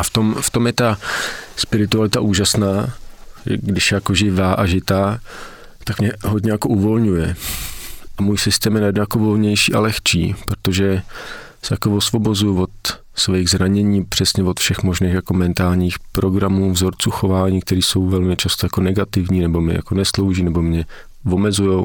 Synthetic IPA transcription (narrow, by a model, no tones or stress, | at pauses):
ʔaft̪o̞mft̪o̞mjɛt̪aspɪɾɪt̪ualɪt̪aʔuːʒasnaːʒɛ̰ɡdɪʃjɛjako̞ʒɪvaːʔaʒɪt̪aː | t̪akmɲɛɦodɲɛjako̞ʔuvo̞lɲujɛ | ʔamuːjsɪst̪ɛːmjɛnajɛdnojakovo̞lɲɛjʃḭːʔa̰lɛxt͡ʃḭːpɾot̪o̞ʒɛ | sɛjakovosvo̞bo̞zujʊvo̞t̪ | svɛjɣzɾaɲɛɲiːpr̥ɛsɲɛvot̪fʃɛxmo̞ʒniːxjako̞mɛnt̪aːlɲiːxpɾo̞ɡɾamuːvzoɾt͡suːxo̞vaːɲiːk̚t̪ɛɾiːso̞wvɛlmɪt͡ʃast̪ojakonɛɡat̪ɪvɲiːnɛbo̞mɪ̰ja̰ko̞nɛslo̞wʒiːnɛbo̞mɲɛ | vo̞mɛzujow